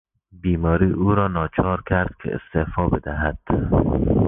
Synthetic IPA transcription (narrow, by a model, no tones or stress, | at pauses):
biːmɒːɾiːʔuːɾɒːnɒːt͡ʃʰɒːɾkʲʰæɾd̪̥kʰḛḛst̪efɒːbed̪æɦæd̪̥